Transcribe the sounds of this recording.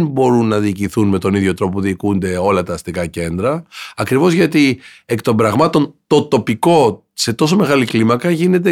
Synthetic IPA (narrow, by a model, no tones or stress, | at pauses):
nbo̞ɾunːɐðiːciθunme̞t̪o̞niðʝo̞t̪ɾo̞p̬ouðiːkund̪e̞o̞lɐt̪ɐːst̪ikɐce̞nd̪ɾɐːkɾivo̞zʝɐt̪iekt̪o̞mbɾɐɣmɐt̪o̞nt̪o̞t̪o̞piko̞ | se̞t̪o̞so̞me̞ɣɐliklimɐkɐʝine̞t̪̬e